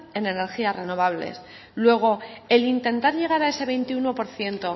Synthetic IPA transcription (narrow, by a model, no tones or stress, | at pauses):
e̞ne̞ne̞ɾxiare̞no̞β̞aβ̞lḛs | lwe̞ɣ̞o̞e̞lint̪e̞nt̪aɾʝe̞ɣ̞aɾae̞se̞βe̞jnt̪iuno̞po̞ɾθje̞nt̪o̞